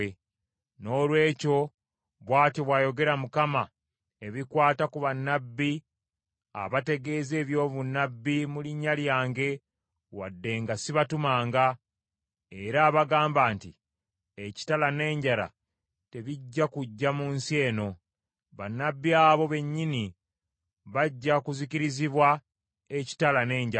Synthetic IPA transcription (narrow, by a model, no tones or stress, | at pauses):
e | no̞ːlwe̞ːco̞ | βwaːtiβwaːjo̞ɡe̞ɾamukama | e̞βikwaːtakuβanːabːi | a̰βate̞ɡe̞ːze̞ːβjo̞ːβunːabːimuliɲːaljaːŋɡe̞ | wa̰dːe̞ŋɡasiβatumaːŋɡa | e̞ɾaːβaɡaːmbaːnti | eci̥talane̞ːɲɟala̰ | te̞βiɟːakuɟːamuːnsie̞ːno̞ | βanːabːiaːβo̞βe̞ɲːini | βaɟːakuziciɾiziβwa | e̞ci̥talane̞ːɲɟa